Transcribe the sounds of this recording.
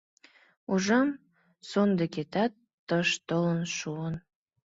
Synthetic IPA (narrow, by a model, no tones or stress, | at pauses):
uʒɑm | sond̪eket̪ɑt̪ːəʃt̪ələnʃuən